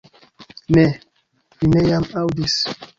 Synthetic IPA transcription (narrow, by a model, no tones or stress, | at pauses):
nɛ | vinejamawdis